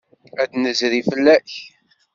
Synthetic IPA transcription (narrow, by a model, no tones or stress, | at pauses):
æd̪nəzɾifəlːæç